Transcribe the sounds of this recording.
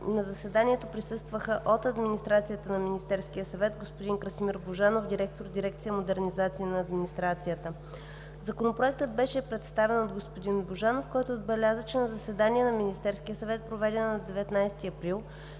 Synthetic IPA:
nɐzɐsɛd̪aniɛt̪opɾisɤst̪vəxəʔot̪ɐd̪minist̪ɾat̪sijət̪ənɐminist̪ɛɾskijəsɐvɛt̪ɡospod̪iŋkɾəsmiɾboʒanofd̪iɾɛk̚t̪oɾd̪iɾɛkt̪sijəmod̪ɛɾnizat̪sinɐːd̪minist̪ɾat̪sijət̪ə | zɐkonopɾoɛk̚t̪əd̪̚bɛʃɛpɾɛt̪st̪avɛnod̪ɡospod̪inboʒanofkɔjt̪oːd̪̚bɛlʲazət͡ʃɛnɐzɐsɛd̪aniɛnɐminist̪ɛɾskʲijəsɐvɛt̪̚pɾovɛd̪ɛnnɐd̪ɛvɛt̪najst̪iɐpɾilˠ

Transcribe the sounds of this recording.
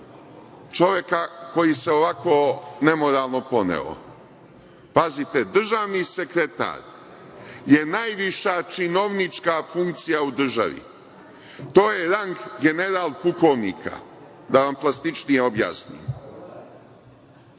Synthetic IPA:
t͡ʃo̞ʋje̞kako̞jise̞oʋako̞ːne̞mo̞ɾaːlˠno̞po̞nḛo̰ | pazit̪ed̪r̩ʒaːʋnise̞kɾe̞t̪a̰ːɾ | je̞najʋiʃat͡ʃino̞ʋnit͡ʂkafuŋkt̪sijaud̪r̩ʒa̰ʋḭ | t̪o̞ːje̞ɾaŋɡɡe̞ne̞ɾaːlˠpukoʋniːkʰa̰ | d̪aʋamplˠast̪it͡ʃnijeo̞bja̰snḭːm

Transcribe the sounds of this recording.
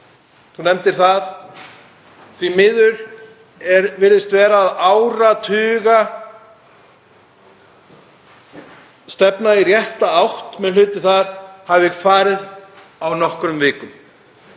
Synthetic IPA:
θunɛmt̪ɪɾ̥θað | θvimɪðʏɾ | ɛɾvɪɾðɪst̪vɛːɾaːðaːwɾat̪ʰʏːɣa | st̪ɛpnairjɛht̪aawht̪mɛnlʏːt̪ɪθaɾ̥havɪkfaːɾɪð | awnɔhkɾʏmvɪːkʏm

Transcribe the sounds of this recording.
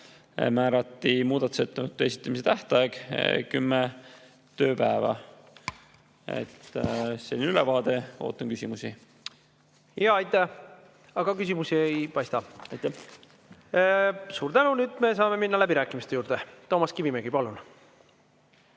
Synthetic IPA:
mæːɾɑt̪ːˑimuːd̪̥ɑt̪u̥set̪ːˑenut̪ːˑesi̥t̪ːˑɑmis̬et̪æht̪ˑɑɑeɡ̥kymːe | t̪ø̞ːpæevɑ̰ | ḛt̪ːselʲinylɛvɑːd̪e̞o̰ːt̪ːˑɑnkysʲimusi | jɑɑjt̪ːˑæ | ɑɡ̥ɑkysʲimusiejpɑjst̪ɑɑjt̪ːæ | suːɾt̪ænunyːd̪̥me̞sɑːme̞minːɑlæbiɾæːkːˑimist̪e̞juːɾrd̪̥et̪o̞ːmɑskivimeɡ̥ipɑlun

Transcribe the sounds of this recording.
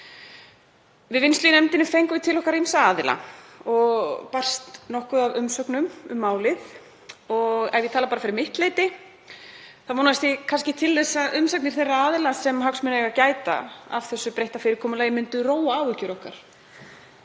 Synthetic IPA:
vɪðvɪnslinɛmt̪ɪnɪfejŋkʏvɪt̪ʰɪlɔhkaɾejnsaaːðɪla̰ɔɣpar̥st̪nɔhkʏðavʏmsœknʏmʏmːaːwlɪθ | ɔɣɛvɪðt̪ʰaːlapaɾafɪɾɪɾmɪht̪leːjt̪ɪ | θamoːnavast̪ɪkʰanscɪt̪ʰɪlːɛsːaʔʏmsak̚nɪɾ̥θejrːaaːðɪlasɛmɦawksmʏnɛɣacaːjt̪a̰a̰v̥θɛsːʏpɾejht̪afɪːɾɪɾkʰɔːmʏlajɪmʏnt̪ʏroːwaaːwvʏcʏɾɔhka̰ɾ̥

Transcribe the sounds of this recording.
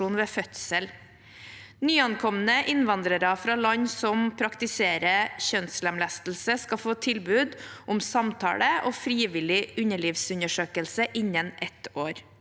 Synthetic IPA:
uːnʋeːfœt̪səl | nyːɑnkʰɔmənəʔɪnʋɑnd̪ɾəɾɑfɾɑːlɑɲsɔmpʰɾɑkt̪ɪseːɾəçœnsləmlæst̪l̩səskɑfoːt̪ʰɪlbʉːd̪ʔʊmsɑmt̪ʰɑ̰ːɽəʔoːfɾiːʋɪlɪʉɲəɭiːʋsʉɲəʂøːkəlsəʔɪɲːənʔɛt̪oːɾ

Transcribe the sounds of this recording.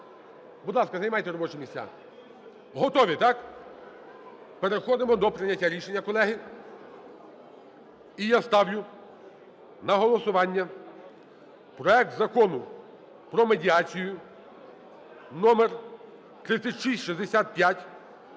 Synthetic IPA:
bʊd̪lˠɑskɐzɐjmɑjt̪ɛɾɔbɔt͡ʃɛmʲisʲt͡sʲa̰ | ɦɔt̪ɔʋʲit̪ɑk | peɾexɔd̪ɪmɔd̪ɔpɾɪnʲɐtʲːaɾʲiʃenʲːɐkɔlˠɛɦɪ | ijast̪ɑwjʊ | nɐɦɔlˠɔsʊʋɑnʲːɐ | pɾɔɛk̚t̪zɐkɔnʊ | pɾɔmedʲiɑt͡sʲijʊ | nɔmer | t̪ɾɪt̪sʲɐtʲʃisʲtʲʃizd̪esʲat̪̚pʲjatʲ

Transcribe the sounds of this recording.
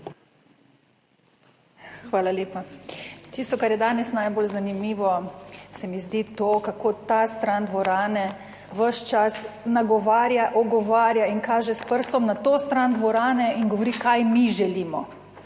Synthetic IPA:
xʋaːlaleːpat̪ist̪ɔkaɾjɛd̪aːnɛsnajboːlzanimiːʋɔsɛmizd̪it̪oːkakoːt̪ast̪ɾand̪ʋɔɾaːnɛ | ʋəʃt͡ʃasnaɡɔʋaːɾjaʔɔɡɔʋaːɾjainkaːʒɛspəɾst̪ɔmnat̪oːst̪ɾand̪ʋɔɾaːnɛinɡɔʋɔɾikajmiʒɛliːmɔ

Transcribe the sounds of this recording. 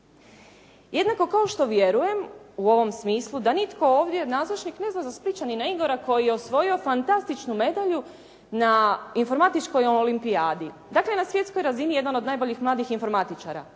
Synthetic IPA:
je̞d̪nako̞kao̞ʃt̪o̞ʋje̞ɾuje̞muo̞ʋo̞msmiːslˠud̪anit̪ko̞oːʋd̪je̞naːzot͡ʃnikne̞znazaspɾit͡ʃaninaiɡoɾako̞jijeosʋo̞jio̞fant̪ast̪it͡ʃnume̞d̪aʎu | nainfo̞ɾmat̪it͡ʃko̞joolimpiaːd̪i | d̪aklenasʋje̞t̪sko̞jɾazinijed̪ano̞d̪naːjbo̞ʎixmlˠaːd̪ixinfo̞ɾmat̪it͡ʃaːɾa̰

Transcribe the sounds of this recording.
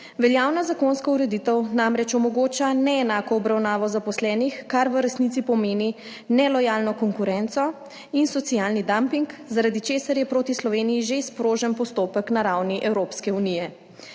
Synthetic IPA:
ʋɛljaːwnazakoːnskɔuɾɛd̪iːt̪əwnamɾɛt͡ʃɔmɔɡoːt͡ʃanɛɛnaːkɔːbɾawnaːʋɔzapɔslɛːnixkaɾʋəɾɛsnit̪sipɔmeːni | nɛlɔjaːlnɔkɔŋkuɾɛnt̪sɔ | insɔt̪sijalnid̪ampiŋkzaɾad̪it͡ʃeːsaɾjɛpɾoːt̪islɔʋeːnijiʒespɾoːʒənpɔst̪oːpəknaɾawniʔɛwɾoːpskɛunijɛ

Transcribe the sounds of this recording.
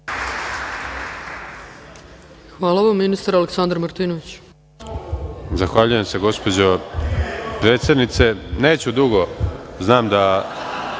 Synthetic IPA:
xʋaːlaʋamːinist̪aɾaleksand̪ɾmaɾt̪iːnoʋit͡ɕ | zaxʋaʎuje̞mse̞ɡo̞spo̞d͡ʑo | pɾe̞ːt̪se̞d̪nit̪se̞ne̞ːt͡ɕud̪uɡoznaːmd̪a

